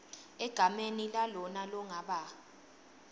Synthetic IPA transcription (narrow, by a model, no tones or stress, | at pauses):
ɛɡ̥ʱamenilalɔnalɔŋaɓa